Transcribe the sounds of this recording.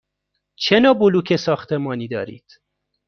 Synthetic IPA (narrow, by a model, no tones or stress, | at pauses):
t͡ʃʰenɒːboluːkʲʰesɒːxt̪ʰemɒːniːd̪ɒːɾḭːd̪̥